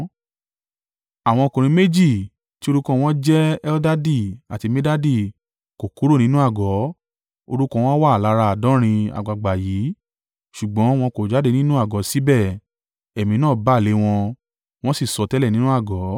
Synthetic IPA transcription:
a˨w̃ɔ̃˧o˧kũ˨ɾ̃ĩ˧me˦d͡ʒi˦˨ | ti˦o˧ɾu˦kɔ̃˧w̃ɔ̃˦d͡ʒɛ˦ɛ˦ɔ˦da˦di˦˨a˨ti˧me˦da˦di˦˨ | ko˨ku˨˦ɾo˦nĩ˦nũ˦a˦˨ɡɔ˨˦ | o˧ɾu˦kɔ̃˧w̃ɔ̃˦wa˦˨la˧˦ɾa˧˨dɔ̃˨˦ɾ̃ĩ˧a̰˨ɡ͡ba˨ɡ͡ba˨jiː˨˦ | ʃu˨ɡ͡bɔ̃˨˦w̃ɔ̃˧ko˨d͡ʒa˨˦de˧nĩ˦nũ˦a˦˨ɡɔ˨˦si˦bɛ˦˨ | ɛ˨mĩ˧nãː˦˨ba˨˦˨le˨˧˦w̃ɔ̃˧ | w̃ɔ̃˦si˦˨sɔ˨˧tɛ˦lɛ˦˨nĩ˦nũ˦a˦˨ɡɔ˨˦

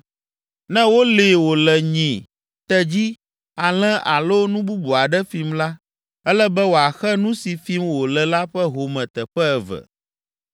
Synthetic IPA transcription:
nɛ̃˦wo˦le˨wo˨lɛ˨ɲĩ˨ | t̪ɛ˦d͡ʑi˦ | a˨l̃ɛ̃˦ʔa˨lo˦nũ˦bu˦bu˨a˨ɖɛ˦fi˦mla˦ | ɛ˦lɛ˦bɛ˦wo˨a˨xɛ˦nũ˦si˨fi˦mwo˨lɛ˨la˦ɸɛ˦ɦo˨mɛ̃˨t̪ɛ˨ɸɛ˦ɛ˨vɛ̰˨

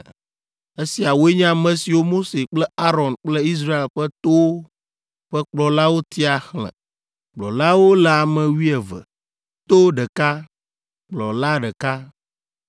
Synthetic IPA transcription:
e˦si˨a˨wo˦e˦ɲ˦ã˦˨mɛ̃˦si˨wo˦mo˦se˨k͡plɛ˦a˦ɾɔ˨nk͡plɛ˦i˦s̬ɾa˦e˨lɸɛ˦t̪o˦ | ɸɛ˦k͡plɔ˨la˦wo˦t̪i˦a˨xlɛ̰̃˨ | k͡plɔ̰˨la˦wo˦lɛ˨a˨mɛ̃˨wi˦ɛ˨və̰˨ | t̪o˦ɖɛ˨ka˦ | k͡plɔ˨la˦ɖɛ˨ka˦

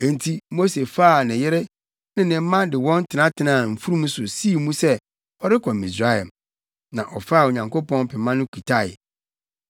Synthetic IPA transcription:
ɛ˨n̩˨tʰi˦mo˦se˨faː˦˨nɪ̃˨jɪ˦ɾɪ˦ | nɪ̃˦nɪ̃˨m̩˦mã˦dɪ˨wɔ̃˦n˦tʰɪ˨nã˦tʰɪ˨nãː˨m̩˨fu˦ɾu˦mũ˦sʊ˨si˦˨mũ˦sɛ˦ | ɔ˦ɾɪ˦kʰɔ˨mi˨sa˦hɛ˨m | nã˨ʔɔ˨fa˦˨o˨ɲã˨ŋko˦pɔ̃˦n˦pʰɛ˨mã˦nʊ̃˦kʷʰi˨tʰa̰˦˨

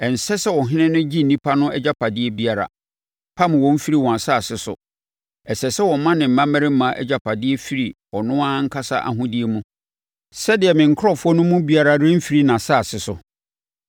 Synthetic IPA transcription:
ɛ˨n̩˨sɛ˦sɛ˦wɔ̃˨ɦɪ̃˦nɪ̃˦nʊ̃˦d͡ʑi˦n̩˨nĩ˦pʰa˦nʊ̃˦ɛ˦d͡ʑa˦pʰa˨dɪ˦ɛ˦bi˦a˨ɾa̰˨ | pʰã˦m˨wɔ̃˨m̩˦fi˦ɾi˦wɔ̃˨a˨sa˦˨sɪ˨sʊ̰˨ | ɛ˨sɛ˨sɛ˦wɔ˨˦mã˦nɪ̃˨m̩˨mã˦mæ˦ɾɪ˦m̩˦mã˦ʔɛ̰˦d͡ʑa˦pʰa˨dɪ˦e˦fi˦ɾi˨ | ɔ˨nʊ̃˦ã˦ŋ̩˦kʰa˦sa̰˦ʔa̰˨ɦʊ̃˦dɪ˦e˦mũ˦ | sɛ˦dɪ˨ɛ˨mɪ̃˨ŋ̩˨kʰʊ˦ɾɔ˦fʊ˦ɔ˦nʊ̃˦mũ˦bi˦a˦ɾa˦ɾɪ̃˦m̩˦fi˨ɾi˦nã˨sa˦˨sɪ˨sʊ˨

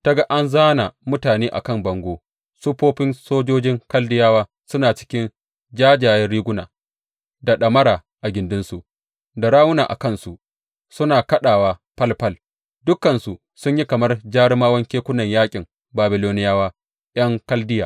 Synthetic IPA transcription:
ta˦ɡa˦ʔa˦nzaː˦na˨mʊ˦taː˨neː˦ʔa̰˨kɐ˦˨mbɐ˨ŋɡʷoː˦ | sʊ˦ɸoː˦ɸɪ˦nsoː˦d͡ʒoː˦d͡ʒɪ˦ŋkɐ˦ldɪ˦jaː˦waː˦ | sʊ˦naː˨t͡ʃɪ̥˦kʲɪ˦n | d͡ʒaː˦d͡ʒaː˨jɛ˦nɽiː˦ɡʷʊ˦naː˨ | da˨ɗɐ˨mɐ˦ɾaː˨ | ʔa˨ɡʲɪ˨ndʊ˦nsu˨ʔ | da˨ɾaː˦wʊ˦naː˨ʔa̰˨kɐ˦˨nsu˨ʔ | sʊ˦naː˨kɐ˦ɗaː˨waː˦pɐ˦lpɐ˦˨l | dʊ˦kːɐ˨nsu˨ | sʊ˦ɲji˦kɐ˨mɐ˦rd͡ʒaː˦ɽɪ˦maː˦wɐ˦ŋkʲeː˦kʷʊ˦nɐ˨ɲjaː˦kʲʼɪ˨m | baː˨bɪ˨loː˦nɪ˦jaː˦waː˦ | j̰ɐ˦ŋkɐ˦ldɪ˦ja̰ː˨

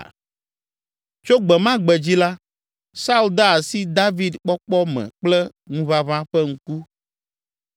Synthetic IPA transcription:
t͡ʃo˦ɡ͡bɛ˨mã˦ɡ͡bɛ˨d͡ʑi˦la˦ | sa˦u˦ld̪a˦a˨si˦d̪a˦vi˦d̪k͡pɔ˦k͡pɔ˦mɛ̰̃˨k͡plɛ˦ | ŋũ˦βa˦βã˦ɸɛ˦ŋ̩̃˦ku˦

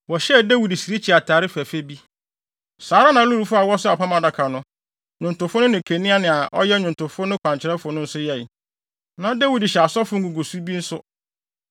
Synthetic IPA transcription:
wɔ˨ɕɛ˦˨dæ˦wi˨dsi˨ɾi˦t͡ɕʰi˨a˨tʰaː˨ɾɪ˦fæ˨fe˦bi˦ | saː˨˦ɾa˦nã˨˦lu˦ɾu˨fʊ˦a˨wɔ˦sʊ˦a˨pʰa˦mã˨da˨kʰa˨nʊ̃˦ | ɲʊ̃˨n˨tʊ̃˨fʊ˦nʊ̃˦nɪ̃˨kʰe˨nĩ˦a˦nɪ̃˨a˨ʔɔ̰˦jɛ˦ɲᶣʊ̃˨n˨tʊ̃˨fʊ˦nʊ̃˦kʰʷã˨ɲt͡ɕʰɪ˨ɾɛ˦fʊ˨nʊ̃˦n̩˦sʊ˦jɛ˦˨ | nã˨ɔ˦da˦wi˨dɪ˨ɕɛ˨a˨sɔ˦fʊ̃˦ŋ̩˦ɡu˨ɡo˨su˦bi˦n̩˦sʊ˦

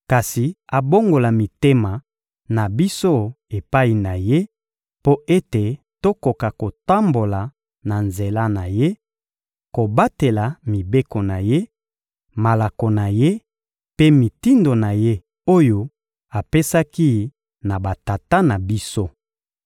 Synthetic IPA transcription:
ka˨si˨a˨bo˦ŋɡo˨la˨mi˨te˦ma˨ | na˨bi˦so˦ | e˨pa˦i˨na˨je˦ | po˦ʔe˦te˨ | to˦ko˨ka˨ko˨ta˦mbo˨la˨ | na˨nze˨la˦na˨je˦ | ko˨ba˦te˨la˨mi˨be˦ko˨na˨je˦ | ma˨la˨ko˨na˨je˦ | pe˦mi˨ti˦ndo˨na˨je˦ | o˦jo˦ | a˨pe˦sa˦ki˦˨ | na˨ba˨ta˨ta˦na˨bi˦so˦

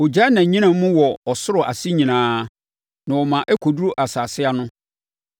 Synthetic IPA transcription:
o˨d͡ʑa˦nã˨ɲĩ˦nã˦mũ˦wɔ˨ɔ˨sʊ˦ɾʊ˨ʔa̰˨si˦ɲĩ˨nãː˦ | nã˨wɔ˨mã˨ʔɛ˦kʰo˨du˦ɾu˦ʔa˨saː˨sɪ˦a˦nʊ̃˦

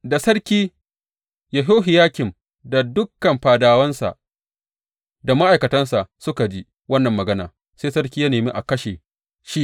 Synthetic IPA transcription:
da˨sɐ˦ɽkʲiː˦ | ja˨ɦoː˦ɦɪ˨jaː˦kʲɪ˨m | da˨dʊ˦kːɐ˨mɸaː˨daː˨wɐ˦nsa̰˨ʔ | da˨ma˦ʔa˨jkɐ˨tɐ˦nsa˨ʔsʊ˦ka˨d͡ʒi˦ | wɐ˦nːɐ˨mːɐ˨ɡɐ˦na̰ː˨ | seː˦sɐ˦ɾk̬ʲiː˦ja˦neː˨mi˦ʔa˨kɐ˦ʃe˨ | ʃi˦

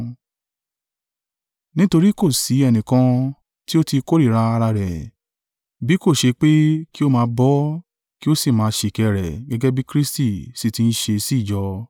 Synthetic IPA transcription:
nĩ˦to˧ɾi˦ko˦˨si˨˦ɛ˧nĩ˨kã˧ | ti˦o˦ti˧ko˦ɾi˦˨ɾa˧a˧ɾa˧ɾɛ˨ | bi˨˦ko˦˨ʃe˧k͡pe˦ki˦o˦mãː˧˦bɔ˦ | ki˦o˦si˦˨mãː˨˧˦ʃe˧˨kɛ˧ɾɛ̰˨ɡɛ˦ɡɛ˦bi˦kɾi˦sti˦˨si˦˨tĩ˧n̩˦ʃe˧si˦˨d͡ʒɔ˧

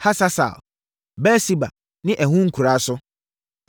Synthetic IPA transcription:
ha˦sa˦sa̰˨l | bɛ˦si˦ba̰˨ | nɪ̃˦ʔɛ˨ɦũ˦ŋ̩˦kʰu˨ɾa˨˦sʊ˦

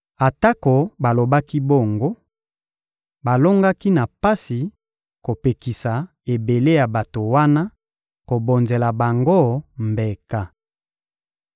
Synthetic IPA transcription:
a˨ta˦ko˨ba˨lo˨ba˦ki˦bo˦˨ŋɡo˦ | ba˨lo˦ŋɡa˦ki˦na˨pa˦si˨ | ko˨pe˨ki˨sa˨ | e˨be˨le˦ja˨ba˨to˨wa˦na˦ | ko˨bo˨nze˨la˨ba˨ŋɡo˦˨mbe˨ka˦

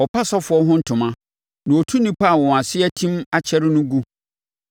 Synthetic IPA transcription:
ɔ˨pʰa˦sɔ˦fʊ˨˦ɔ˦ɦʊ̃˦n̩˦tʰʊ̃˨mã˦ | nã˨o˨tʰu˦nĩ˦pʰa˦˨wɔ̃˨a˨sɪ˦ɛ˦tʰĩ˦ma˦t͡ɕʰɛ˦ɾɪ˦nʊ̃˦ɡu˦

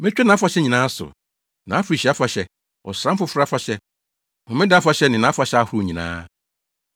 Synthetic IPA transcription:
mɪ̃˦t͡ɕᶣɛ˦nã˨a˦fa˨ɕɛ˦ɲĩ˨nãː˦sʊ̰˨ | nã˨˦fɾi˨ɕi˨˦a˦fa˨ɕɛ˦ | ɔ̰˨sɾã˦m̩˦fʊ˦fɾa˦fa˨ɕɛ˦ | mʊ̃˨mɪ̃˦dɪ˦a˦fa˨ɕɛ˦nɪ̃˨nã˨˦fa˨ɕɛ˦a˦hu˨˦o˨ɲĩ˨nã̰ː˦

